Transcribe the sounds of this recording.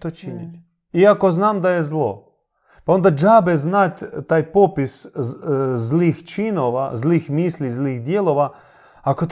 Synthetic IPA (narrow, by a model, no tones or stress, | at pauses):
t̪ot͡ʃinit̪ʲ | iakoznaːmd̪ajezlˠo̰ | pao̞nd̪ad͡ʒabɛznat̪ʲt̪aːjpopis | zlixt͡ʃinoʋa̰zliːxmiːslʲizlixd̪jelˠoʋa | akot̪